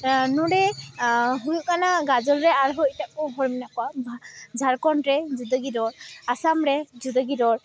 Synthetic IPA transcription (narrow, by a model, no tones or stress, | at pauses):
nuɾɛ | ɦuɹuʔkanaɡazɔlɹɛaɹɦɔtakɔɦɔɹiminakɔaazʱaɹkɔntɹɛzudəɡidɔɹasamɹɛzudəɡidɔɹ